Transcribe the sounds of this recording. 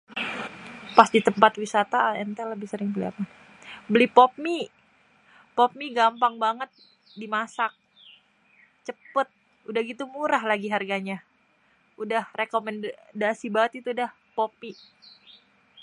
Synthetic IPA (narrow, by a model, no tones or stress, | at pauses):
pasdit̪əmpat̪wisat̪aɛnt̪eləbɪhsəɾɪŋpəlia̰pan | bəlɪhpop̚mi | pop̚miɡampaŋbaŋət̪̚ | dimasak̚ | t͡ʃəpət̪̚ | udahɡit̪umuɾaɦlaɡiɦarɡaɲa | udahrekomɛndasibaŋət̪̚it̪uːdah | pop̚i